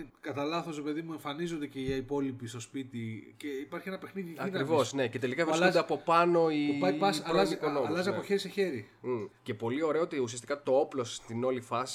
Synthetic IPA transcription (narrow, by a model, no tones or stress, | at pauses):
kɐt̪ɐlɐθo̞sɾepe̞ðimue̞ɱfɐnizond̪eceiɐipo̞lipist̪o̞spit̪iceipɐɾçienɐpe̞xniðiɐinɐivosne̞cet̪e̞likɐvɾsud̪eɐpo̞pɐno̞iuɐjpɐsɐlɐziponoɐlɐziɐpoçeɾiseçe̞ɾi | ce̞po̞lio̞ɾe̞oot̪iusiɐst̪ikɐt̪o̞oplo̞st̪ino̞lifɐsi̥